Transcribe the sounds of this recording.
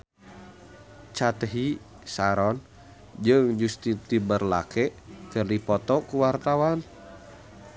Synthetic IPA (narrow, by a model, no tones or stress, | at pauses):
t͡ʃat̪ɦi | saɾɔn | d͡ʒɨŋd͡ʒust̪it̪ibərla̰kɛʔkɨrdipɔt̪ɔkuwart̪awan